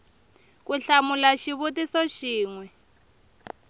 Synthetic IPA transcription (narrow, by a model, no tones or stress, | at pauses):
kuɬamulaʃiβutisɔʃiːŋwɛ